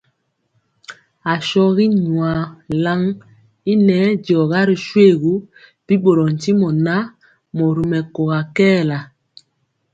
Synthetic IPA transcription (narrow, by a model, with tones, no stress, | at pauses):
a˨ʃɔ˦ɣi˦ɲu˨a˨la˦ŋ | i˦nɛ˦ɟɔ˨ɣa˦ɾi˨ʃwe˦˨ɣu˦ | b̥i˦ɓo˨ɾɔ˨n̩˨ti˦mɔ˨na˦ | mɔ˨ɾi˨mɛ˨ko˨ɣa˨kɛː˦la˨